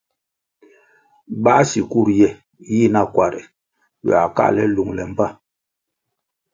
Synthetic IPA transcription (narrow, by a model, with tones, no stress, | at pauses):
ba˦si˨ku˦˨ɾjɛ˦˨ | ji˦˨na˦˨kwa˨ɾɛ̰˨ | wɛ̰˨a˨ka̰˦lɛ˦lu˨ŋlɛ˨m̩˨ba˦˨